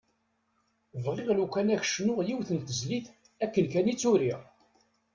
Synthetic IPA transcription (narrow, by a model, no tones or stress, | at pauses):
vʁɪʁlukʷːænæç̥ʃnʊʁjiwθənt̪əzliθ | ækːənkænit͡sːʊɾiʁ